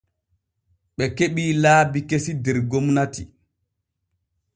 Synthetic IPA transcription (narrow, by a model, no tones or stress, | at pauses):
ɓɛkeɓiːlaːbikesidɛɾɡomnati